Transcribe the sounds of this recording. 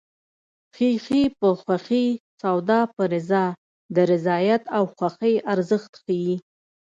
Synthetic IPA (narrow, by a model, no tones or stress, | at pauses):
xixipəxwaxit͡sawd̪ɑpəɾɪzɑ | d̪əɾɪzɑjat̪awxwaxəjaɾzəxt̪xaji